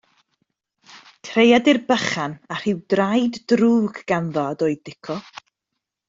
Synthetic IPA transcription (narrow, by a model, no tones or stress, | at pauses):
tʰrejadɪrbəχanar̥ɪwdrajdːruːɡɡanðɔdɔɨdɪkʰɔ